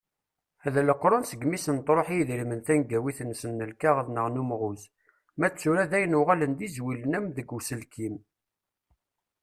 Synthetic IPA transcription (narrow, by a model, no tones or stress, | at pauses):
æðæləqːɾˤʊnsəɡmisənt̪ɾˤoħijiðɾimənθænɡæwiθnsənːəlkaʁəðnəʁnumʁʊz | mæt͡sːuɾæðæjənʊʁælənd̪izwilənæmðəɡusəlkim